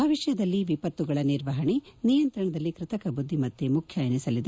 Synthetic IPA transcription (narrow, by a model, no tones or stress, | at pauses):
aʋiʂɐjɐd̪ɐlːiʋipɐt̪ːuɡɐɭɐniɾʋɐɦɐɳinijɐnt̪ɾɐɳɐd̪ɐlːikɾɪt̪ɐkɐbud̪ʱːimɐt̪ːemukʰjɐjɐnisɐlid̪e